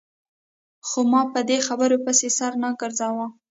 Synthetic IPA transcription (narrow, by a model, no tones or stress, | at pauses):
xomɑpəd̪exabəɾopəsesaɾnaɡəɾzawa